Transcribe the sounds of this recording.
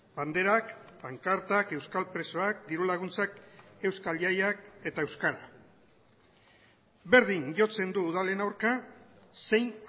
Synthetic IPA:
band̪e̞ɾakbaŋkaɾt̪ake̞wskalpɾe̞soak̚d̪iɾulaɣ̞unt͡sake̞wskaljajake̞t̪ae̞wskaɾa | be̞ɾðiŋʝo̞t͡se̞nd̪uːð̞ale̞nawɾkase̞jn

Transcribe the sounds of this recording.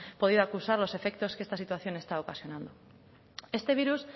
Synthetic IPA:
po̞ð̞iðoakusaɾlo̞se̞fe̞k̚t̪o̞skest̪asit̪waθjo̞ne̞st̪aokasjo̞nãnd̪o̞ | e̞st̪e̞β̞iɾus

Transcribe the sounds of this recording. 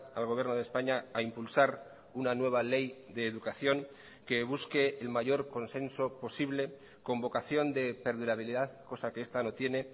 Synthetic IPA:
alɣ̞oβjeɾno̞ð̞espaɲaaimpulsaɾ | unanwe̞β̞ale̞jd̪e̞ːðukaθjo̞ŋ | ke̞β̞uske̞ːlmaʝo̞ɾko̞nsẽ̞nso̞po̞siβle̞ | ko̞mbo̞kaθjo̞nd̪e̞pe̞ɾðuɾaβ̞iliðaðko̞sakeest̪ano̞t̪je̞ne̞

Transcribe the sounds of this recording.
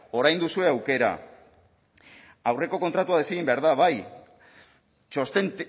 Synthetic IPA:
o̞ɾajnd̪usue̞awke̞ɾa̰ | awre̞ko̞kont̪ɾat̪uað̞e̞siɣ̞imbe̞aɾðaβaj | t͡ʃost̪en

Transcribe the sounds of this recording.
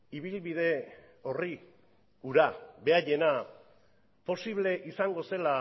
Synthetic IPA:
iβilβið̞e̞ | o̞ri | uɾaβe̞aje̞na | po̞siβ̞le̞ʔisaŋɡo̞se̞la

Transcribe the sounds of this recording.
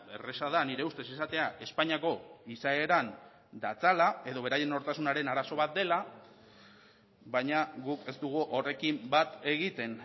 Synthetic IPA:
beresaðaniɾe̞ust̪e̞sesat̪e̞aʔe̞spaɲiako̞isae̞ɾan | d̪at͡salae̞ðo̞β̞e̞ɾaje̞noɾt̪asunaɾe̞naɾaso̞βat̪̚d̪e̞la | βajɲaɣuke̞st̪uɣ̞uʔore̞kimbat̪e̞ɣit̪e̞n

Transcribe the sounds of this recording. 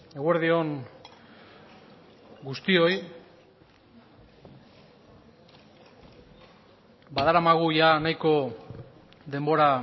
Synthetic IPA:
e̞ɣwe̞ɾðio̞n | ɡust̪io̞j | baðaɾamaɣ̞ujanajko̞ | ðe̞mbo̞ɾa

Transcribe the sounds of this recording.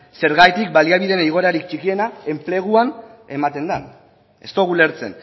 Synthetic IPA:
se̞ɾɣajt̪ik̚baliaβ̞iðe̞niɣ̞o̞ɾaɾik̚t͡ʃikie̞nae̞mple̞ɣ̞uane̞mat̪e̞nd̪a̰n | e̞̰st̪o̞ɣule̞ɾt͡se̞̰n

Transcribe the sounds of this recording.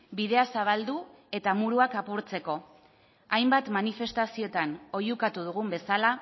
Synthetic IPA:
biðe̞asaβ̞ald̪u | e̞t̪amuɾuakapuɾt͡se̞ko̞ | ajmbat̪manife̞st̪asio̞t̪ano̞jukat̪uðuɣ̞umbe̞sala

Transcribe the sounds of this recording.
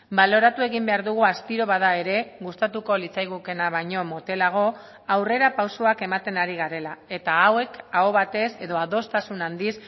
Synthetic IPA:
balo̞ɾat̪ue̞ɣ̞imbe̞aɾðuɣ̞uast̪iɾo̞βaðae̞ɾe̞ɣust̪at̪uko̞lit͡sajɣuke̞naβajɲo̞mo̞t̪e̞laɣ̞o̞ | awre̞ɾapawsoake̞mat̪e̞naɾiɣaɾe̞lae̞t̪aːwe̞kaoβat̪e̞se̞ðo̞aðo̞st̪asunand̪is

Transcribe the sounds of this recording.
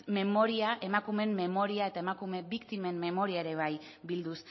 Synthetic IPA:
me̞mo̞ɾiaʔe̞makume̞mːe̞mo̞ɾiae̞t̪ae̞makume̞βikt̪ime̞mːe̞mo̞ɾiae̞ɾe̞β̞aj | bild̪us

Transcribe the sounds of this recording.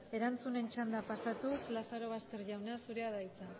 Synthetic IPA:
e̞ɾant͡sune̞nt͡ʃand̪apasat̪uslasaɾo̞βast̪e̞ɾʎawnasuɾe̞aðajt͡sa

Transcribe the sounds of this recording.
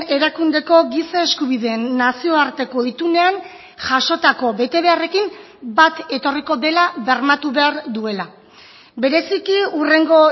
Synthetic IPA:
e̞ɾakund̪e̞ko̞ɡisae̞skuβiðe̞ːnːasio̞aɾt̪e̞ko̞it̪une̞an | ʝaʃo̞t̪ako̞be̞t̪e̞β̞e̞are̞kim | bat̪e̞t̪o̞riko̞ðe̞laβe̞ɾmat̪uβe̞aɾd̪ue̞la | be̞ɾe̞sikiure̞ŋɡo̞

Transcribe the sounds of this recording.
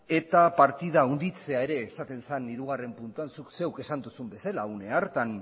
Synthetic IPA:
e̞t̪apaɾt̪iðaund̪it͡se̞ae̞ɾe̞ːsat̪e̞nsaniɾuɣ̞are̞mpunt̪uansukse̞wke̞sand̪usumbe̞salaune̞aɾt̪an

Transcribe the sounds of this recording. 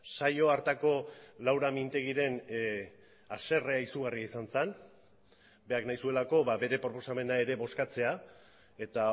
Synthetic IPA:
sajo̞aɾt̪ako̞lawɾamint̪e̞ɣ̞iɾe̞n | ase̞reaisuɣariaisansen | be̞aknajsue̞lako̞βaβe̞ɾe̞pɾo̞po̞same̞nae̞ɾe̞βo̞skat͡se̞a | e̞t̪a

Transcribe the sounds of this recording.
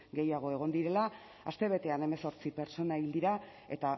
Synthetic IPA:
ɡe̞jaɣ̞o̞e̞ɣ̞o̞nd̪iɾe̞la | ast̪e̞β̞e̞t̪e̞ane̞me̞so̞ɾt͡sipe̞ɾt͡so̞naild̪iɾa | e̞t̪a

